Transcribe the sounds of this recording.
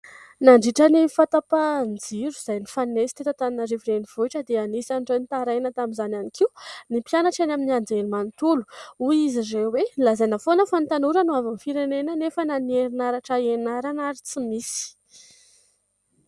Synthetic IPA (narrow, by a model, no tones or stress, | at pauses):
naɳɖ͡ʐiʈ͡ʂənifat̪apand͡ziɾuz̥ajnifanesi̥t̪et̪at̪aninaɾiviɾeniv̥oiʈ͡ʂəd̪eanisanʈ͡ʂenit̪aɾajnət̪aminzananikʰiwnipjanaʈ͡ʂanaminiand͡zelimant̪ulu̥uizizewelazajnafonəfant̪anuɾənuavamfiɾenenənefənanieɾinaɾaʈ͡ʂəenaɾanaɾit͡simisi̥